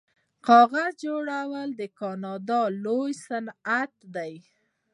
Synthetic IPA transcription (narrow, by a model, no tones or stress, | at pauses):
qɑɣazd͡ʒoɽawəld̪əkɑnɑd̪ɑlojsanat̪d̪aj